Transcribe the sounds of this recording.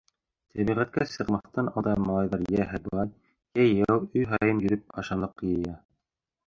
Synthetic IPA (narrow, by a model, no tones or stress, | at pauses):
t̪ʰæβiʁæt̪̚kæsɤ̆qmɑθt̪ɑnɑd̪ɑmɑlˠɑjðɑɾjæɦæb̪ˠɑn | jæjæwɵjɦɑɑjɤnjɵ̆ɾɵp̚ɑʃɑlˠɤqːɤjɤ̆jɑ